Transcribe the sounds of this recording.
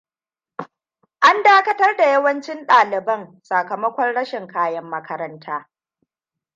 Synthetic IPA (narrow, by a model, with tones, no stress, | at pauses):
ʔa˦ndaː˦kɐ˦tɐ˦rda˨jɐ˦wɐ˦nt͡ʃɪ˦nɗaː˨lɪ˨bɐ˦ŋsa˨kɐ˨mɐ˦kʷɔ˦rɽɐ˦ʃɪ˨ŋkaː˦jɐ˦mːɐ˦kʰɐ˦ɾɐ˦ntʰaː˦